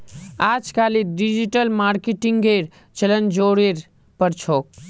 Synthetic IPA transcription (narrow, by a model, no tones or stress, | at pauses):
aːd͡ʒkaliɖid͡ʒiʈəlmaːɾkeʈiŋɡeɾ | t͡ʃələnd͡ʒoːɾeɾ | pəɾt͡ʃʰoːk̚